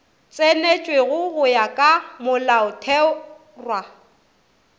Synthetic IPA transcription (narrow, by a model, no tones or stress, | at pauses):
t͡sʼenet͡ʃʼweɣʊɣʊjakʼamʊlaʊtʰɛ | rwa